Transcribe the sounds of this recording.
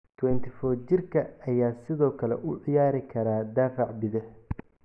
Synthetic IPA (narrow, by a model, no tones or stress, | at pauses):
t̪ʰwɛnt̪ʰɪfɔːt͡ʃɪrkʰɐɐjaːsɪðɔːkʰɐlɛ̰ʔʊʕɪjaːɾɪkʰɐɾaːd̪aːfɑʕbɪðɐh